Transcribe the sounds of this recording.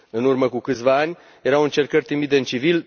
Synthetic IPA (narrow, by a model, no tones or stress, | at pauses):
ɨnurməkukɨt̪sʲvaanʲ | je̞ɾawɨnt͡ʃe̞rkərʲt̪ɾimid̪eɨnt͡ʃivil